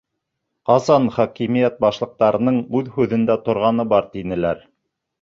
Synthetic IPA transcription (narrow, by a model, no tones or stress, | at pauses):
qɑzɑnχɑkimijæt̪̚bɑʃlˠɤ̆q̚t̪ɑɾɤ̆nɤɴʉðhʉðɘ̆nd̪æt̪ŏɾʁɑnɤbɑɾt̪inɘ̆læɾ